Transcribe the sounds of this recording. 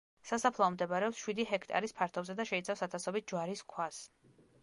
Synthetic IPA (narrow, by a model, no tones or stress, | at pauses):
sasapʰlˠaɔmd̪ɛbaɾɛɔpsʃwid̪iɦɛkʰt̪ʼa̰ɾispʰaɾt̪ʰɔbzɛd̪aʃɛit̪sʰafsat̪ʰasɔbit̪̚d͡ʒwaɾiskʰwas